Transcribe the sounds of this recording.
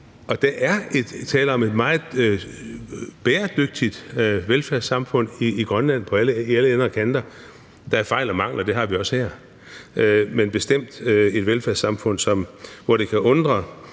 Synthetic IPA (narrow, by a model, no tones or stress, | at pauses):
ɒ̽d̥ɑ̈ʔæɐe̝d̥t͡sʰɛːləɒ̽me̝d̥mɑ̈ːð̩ˠ | b̥eːɐd̥øɡ̥̚d̥id̥ʋelfæɐsɑ̈mfɔ̽n̰iːɡ̥ʁɶnlæn̰pʰɒ̽æləiæləenʁɐkʰænd̥ɐ | d̥ɑ̈æɐfɑ̈ɪlɒmɑ̈ŋ̰lɒd̥e̝ɦɑ̈ʋiɒ̽shæɐ̰ | menb̥e̝sd̥em̰d̥e̝d̥ʋelfæɐsɑ̈mfɔ̽n̰sɒ̽mʋɒɾ̥e̝kʰæʔɔ̽nd̥ʁɐ